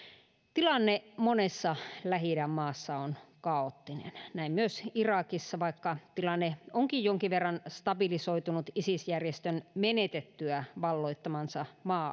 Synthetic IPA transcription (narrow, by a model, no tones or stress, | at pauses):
t̪ilɑnːemonesːɑlæɦiɾæmmɑːsːɑonkɑot̪ːinḛnnæimmyøsirɑkisːɑʋɑikːɑt̪ilɑnːeʔoŋkijjoŋkiʋʋerːɑnst̪ɑbilisoit̪unut̪isisjærjest̪ønmenet̪et̪ːyæʋɑlːoit̪ːɑmɑnsɑmɑː